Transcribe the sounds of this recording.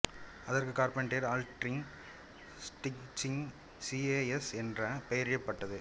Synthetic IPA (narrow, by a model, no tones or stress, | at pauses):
ɐðɐɾkɯkaːɾpɛɳʈeːɾaːlʈɾɪŋ | sʈɪkt͡ʃɪŋ | sieɛsɛndrɐpɛjɐɾjɐpːɐʈːɐðɯ